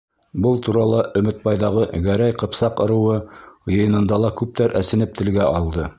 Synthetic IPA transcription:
bɤlˠt̪uɾɑlˠɑʔɵ̆mɘ̆t̪̚bɑjðɑʁɤɡæɾæjqɤ̆psɑqɤ̆ɾɤ̆wɤjɤ̆jɤ̆nɤ̆nd̪ɑlˠɑkʉp̚t̪æɾʔæsɘ̆nɘp̚t̪ɘ̆lɡæʔɑlˠd̪ɤ

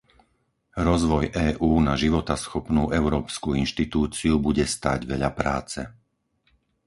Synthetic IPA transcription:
ɾɔzʋɔjʔɛːʔuːnaʒiʋɔt̪asxɔpnuːʔɛʊɾɔːpskuinʃt̪it̪uːt͡siubuɟɛst̪a̰ːɟʋɛʎapɾaːt͡sɛ̰

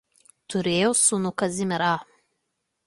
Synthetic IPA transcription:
t̪ʰʊɾʲeːjosunukɐzʲɪmʲɪɾaː

